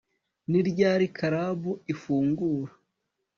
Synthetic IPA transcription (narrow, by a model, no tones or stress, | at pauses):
niɾɟaːɾikʰaɾabuifuːŋɡuːɾḁ